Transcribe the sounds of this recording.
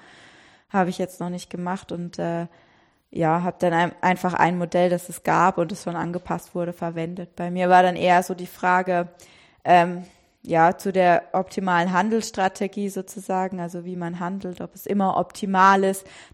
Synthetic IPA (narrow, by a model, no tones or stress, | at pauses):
haːbəɪçjɛt͡stnɔχnɪçt̚ɡ̥əmaχtʊntʔɛː | jaːɦaːbəd̥anaʔaɪnfaχʔa̰ɪnmodɛldasɛsɡ̥aːpʊntdɛsʃoːnʔa̰nɡəpʰastv̥ʊɐɾəfɛɐvɛndət̚b̥aɪmiːɐvaːɐɾanʔeːɐzoːdiːfʁ̥aːɡə | ʔɛːm | jaːt͡sudeːɐʔɔp̚tʰimaːlənɦandl̩sʃtʁ̥atʰeɡiːzoːt͡suzaːɡŋ̩alzoviːmanɦandl̩tɔpɛsʔɪmɐʔɔ̰ptʰimaːlɪst